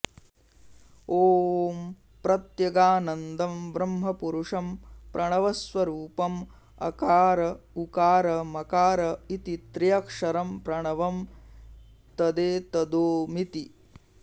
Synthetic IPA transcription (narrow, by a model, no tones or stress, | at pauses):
oːm | pɾɐt̪jɐɡaːnɐnd̪ɐmbɾɐmɦɐpuɾuʂɐmpɾʔɐɳɐʋɐsʋɐɾuːpɐm | ɐ̰kaːɾɐukaːɾɐmɐkaːɾɐit̪it̪ɾijɐkʂɐɾɐmpɾɐɳɐʋɐm | t̪ɐd̪eːt̪ɐd̪oːmit̪i